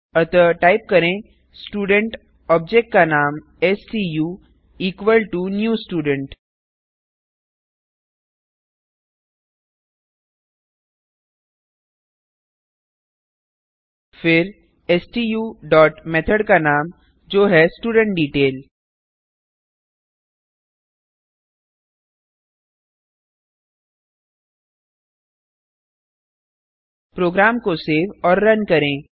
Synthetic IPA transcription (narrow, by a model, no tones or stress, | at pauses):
ət̪əʈaip̚kəɾẽ | sʈuːɖə̃ɳʈ | ɔb̚d͡ʑek̚ʈ̚kanaːm | esʈiju | iːkʋəlʈunjuːsʈuːɖəɳʈ | fɪɾ | ɛsʈiːjuːɖɔːʈmɛt̪ʰəɽkanaːm | d͡ʒoːɦɛsʈuːɖə̃ɳʈ̚ɖiːʈeːl | pɾoːɡɾaːmkoseːʋɔːɾːɐnkɐɾẽː